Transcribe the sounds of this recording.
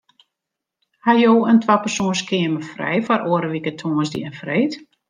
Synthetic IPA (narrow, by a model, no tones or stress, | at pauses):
hajoːəntʰwapərsoənskʰɪəməfrɛ̰jfɔɾʔoəɾəʋikətʰoːnzdḭənfreːt